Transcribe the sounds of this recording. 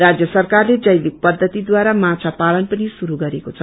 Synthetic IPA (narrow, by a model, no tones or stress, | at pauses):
rad͡zjʌsʌrkarled͡zʌjlik̚pʌd̪ʱːʌt̪id̪waɾamat͡sʰapalʌnpʌnisuɾuɡʌɾekot͡sʰʌ